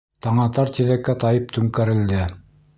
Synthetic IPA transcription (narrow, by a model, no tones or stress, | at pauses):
t̪ɑɴɑt̪ɑɾt̪ʲiðækːæt̪ɑjɤp̚t̪ʉŋkæɾɘ̆ld̪ɘ